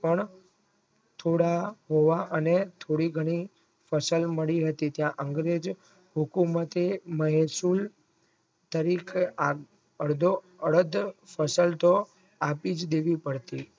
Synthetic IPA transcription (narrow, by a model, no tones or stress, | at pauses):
pəɳ | t̪ʰoɽaɦoʋaʔənet̪ʰoɽiɡʱəɽ̃i | fəsəlməɭiɦət̪it̪jãʔəŋɡɾed͡ʒ | ɦukumət̪eməɦsul | t̪əɾikʰa | əɽd̪ʱo | əɭəd̪fəsəlt̪o | apid͡ʒd̪eʋipəɽt̪i